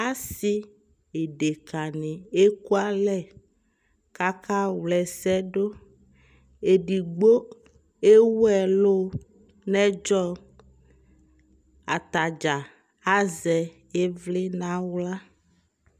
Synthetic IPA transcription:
a˦si˦ | e˨ɖe˨ka˨nẽ˨e˦ku˦a˦lɛ˦˨ | ka˦ka˦wlɛ˨sɛ˦ɖo˦ | e˨ɖi˨ɡ͡bo˦ | e˦wɛ˨lo˦ | nɛ̃˦d͡ʒɔ˦ | a̰˨t̪a˨d͡ʒa˨ | a˦zɛ˨ | e˦vle˦nã˦wla˦

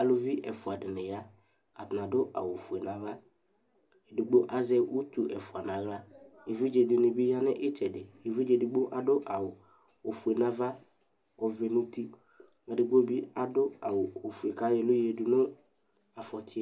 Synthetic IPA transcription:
a˨lʊ˦vi˦ʔɛ˨fʊ˨a˨dɪ˨nɪ˨ja˦ | ka˨t̪nã˨dʊ˦ʔa̰˨wo˨fu˨e˨nã˨va˦ | e˨du˨ɡ͡bo˦ʔa˦zɛ˦ʔu˦t̪u˨ʔɛ˨fʊ˨a˨nã˨ɣla˦je˨vi˦d͡ʒe˨dɪ˨nɪ˨bi˦ja˦nɪ˦ʔɪ˦t͡ʃɛ˨dɪ˨e˨vi˦d͡ʒe˨du˨ɡ͡bo˦ʔa˨dʊ˦ʔa˨wʊ˨ | o˨fu˨e˨nã˦va˦ | ɔ˨vɛ˨nʊ˦t̪i˦ | a˨dɪ˨ɡ͡bo˦bi˦a˨dʊ˦a˨wʊ˨o˨fu˨e˨ka˨˦jɛ˨lʊ˦je˨dʊ˨nʊ˦ | a˨fɔ˨tɪ˦

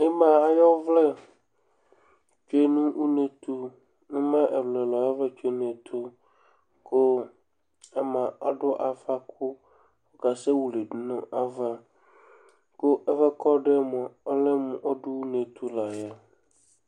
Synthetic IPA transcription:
e˦mã˨a˨jɔ˦vlɛ˦ | t͡ʃe˦nũ˦wu˦ne˨t̪ʰu˦ | nũ˦mã˦ʔɛ˨vlɛ˨lɔ˨jɔ˦vlɛ˦t͡ʃᶣe˦n˦e˨t̪ʰu˦ | ko˦ | a˦mã˨a˦ɖʊ˦ʔa˨fa˦k̚ʰʊ˦ | o˦ka˨se˦wu˨le˨ɖʊ˦nʊ̃˦ʔa˦va˦ | ko˦ɛ˦fɛ˦kɔ˦ɖɛ˦mɔ̃˨ɔ˦le˦mũ˨ʔo˦ɖʊ˦wu˦ne˨t̪ʰu˦la˨ja˦

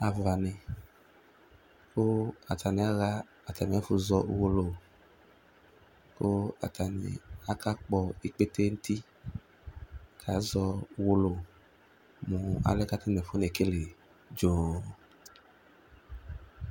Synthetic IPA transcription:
a˨va˨ne˨ | ko˦a˨ta˨ni˨a˦ɣa˦ | a˨ta˨nĩ˨a˦fu˨zɔ˦wo˦lo˨ | ko˦a̰˨ta˨nḭ˨a˦ka˦k͡pɔ˨i˨k͡pe˦te˦n̩˦t̪i˦ | kʰa˨˦zɔ˧wo˦lo˨ | mũ˨a̰˨lɛ˦ka˦te˦ne˨fo˦ne˨ke˦le˨ | d͡ʒo˨

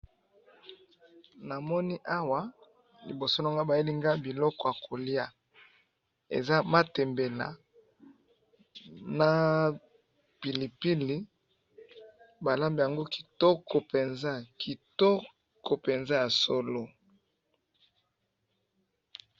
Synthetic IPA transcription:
na˨mɔ˦ni˦ʔa˦wa˦ | li˨bo˨so˦na˦˨ŋɡa˦ba˨je˦li˦ŋɡa˦bi˨lɔ˦kɔ˦˨ja˨ko˨li˦a˦ | ḛ˨za˦ma˦tɛ˨mbɛ˨la̰˨ | na˦ | pi˨li˨pi˦li˦ | ba˨la˦mbi˨ja˨ŋɡo˦ki̥˨tɔ˦kɔ˨pe˨nza˦ki˨tɔ˦ | ko˨pe˨nza˦ja˨so˦lo˦

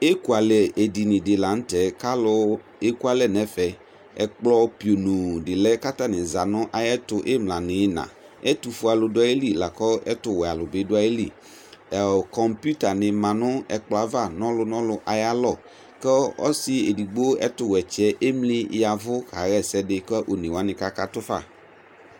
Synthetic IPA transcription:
e˦ku˨a˨lɛ˨e˨di˨nɪ̃˨dɪ˨la˨n̩˦tɛ˨ka˦lʊ˦ | e˦ku˦a˨lɛ˦nɛ̃˨˦fɛ˨ | ɛ̰˨k͡plɔ˦pi˨o˨nũ˨dɪ˨lɛ˦ka˦t̪a˦nɪ̃˨za˨nʊ̃˦ʔa˨jɛ˦tʊ˨ʔe˦mlã˨nɪ̃˨˦nã̰˨ | ɛ˦tu˨fu˦a˨lʊ˨dʊ˦a˦je˦li˦la˨kɔ˦ɛ˦tʊ˨wɛ˨a˨lʊ˨bɪ˨˦dʊ˦a˦je˦lḭ˦˨ | kɔ˨mpju˦ta˨nɪ̃˨mã˨nʊ̃˦ɛ˨k͡plɔ˨a˨va˦˨nɔ̃˦lʊ˨nɔ̃˦lʊ˦ʔa˨ja˦lɔ˦˨ | kɛ˦ɔ̰˦sɪ˦e˨di˨ɡ͡bo˦ɛ˦tʊ˨wɛ˨t͡ʃɛ˦ʔe˦mlɪ˦ja˨vʊ˦ka˨ɣɛ˦sɛ˦dɪ˨kʔo˨nẽ˨wa˦nɪ̃˨ka˦ka˦t̪ʊ˦fa̰˦˨

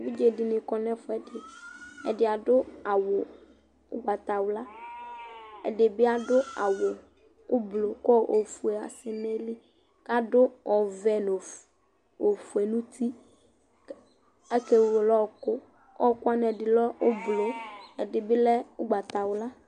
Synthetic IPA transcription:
bi˦d͡ʒe˨di˨nɪ̃˨kɔ˦nɛ̃˦fʊ˦ɛ˨dɪ˨ɛ̰˨dɪ˨a˨ɖʊ˦a˨wʊ˨ | o̰˦ɡ͡ba˨t̪a˨wʊ˦la˦ | ɛ̰˨ɖɪ˨bi˦a˦ɖʊ˦a̰˨wʊ˨ | o˦blo˨kɔ˦ʔo˨fu˨e˨a̰˨sɪ˨nɛ̃˦li˦ | ka˦ɖʊ˦ɔ˨vɛ˨no˨ | o˨fu˨e˨nũ˦t̪ʰi˦ | ɛ˦ke˦˨o˨lɔ˦˨kʊ˦ | ɔ˦kʊ˦a˦nɛ˨dɪ˨lɔ˦o˦blo˨ɛ˨dɪ˨bi˦lɛ˦wo˦ɡ͡ba˨t̪a˨wʊ˦la˦

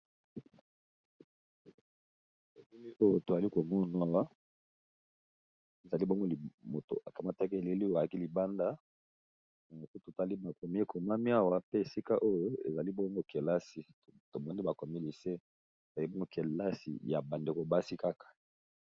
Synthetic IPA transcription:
e˨le˦li˦o˦jo˨to˨za˨li˦ko˨mɔ˦n˨˦a˦wa˦ | e˨za˨li˦bo˦ŋɡo˦li˨mo˨to̰˨ʔa˨ka˨ma˦ta˦ke˦e˨le˦li˦˨a˨ki˦li˨ba˦nda˦ | na˨jo˨ko˦to˨ta˦li˦ba˨ko˨mi˦e˦kʰo˨ma˦mi˦a˦wa˨pe˦e˨si˦ka˦ʔo˦jo˦ḛ˨za˨li˦bo˦ŋɡo˦kʰe˨la˦si˨to˨mɔ˦ni˦ba˨ko˨me˦li˨se˦ | e˨z̥a˨i˦bo˦ŋɡo˦kʰe˨la˦sḭ˨ja˨ba˨nde˨ko˨ba˦si˦ka˦kḁ˨

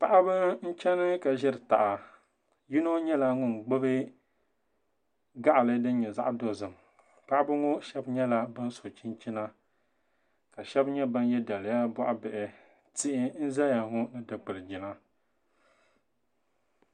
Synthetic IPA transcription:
pa˨ʔa˦bɨ˦n̩˦t͡ʃɛ˦nɨ˦ka˨ʒɪ˦ɾɨ˨ta̰˨ʔa˨ | ji˦no˦ɲɛ˦la˦ŋʊ˦˨nɡ͡bɨ˦bɨ˦ | ɡa˦ʔlɨ˦dɨ˦n˦ɲɛ˨za˦ʔdo˨zɨ˨m | pa˦ʔa˦bɨ˦ŋo˦ʃɛ˦bɲɛ˦la˦bɨ˦n˦so˨t͡ʃi˦nt͡ʃi˦na˦ | ka˨ʃɛ˦bɲɛ˦bɨ˦njɛ˦da˨lja˦ba˦ʔa˦bɛ˨ʔɛ˨ | ti˦ʔɪ˦n̩˦zɛ˦a˨ŋʊ˦nɨ˦dɨ˨k͡pɨ˨lɨ˨d͡ʒɪ˨na˦

